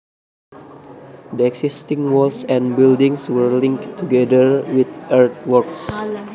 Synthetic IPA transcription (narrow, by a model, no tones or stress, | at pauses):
dəɛksistɪ̃ŋwɔlsɛ̃nbildĩŋswəɹlɪ̃ŋktʰːuɡɛdəɹwit̪ʔɛɹt̪̚wɔɹks